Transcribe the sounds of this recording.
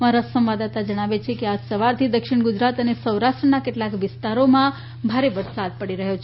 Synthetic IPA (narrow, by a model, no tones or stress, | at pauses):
maɾasəmʋad̪at̪ad͡ʒəɽ̃aʋet͡ʃʰekead͡ʒsəʋaɾt̪ʰid̪əkʃɪɳɡʊd͡ʒɾat̪ənesəwɾaʃʈɾənakeʈlakʋɪst̪aɾomã | bʱaɾeʋəɾsad̪̚pəɽiɾəɦot͡ʃʰ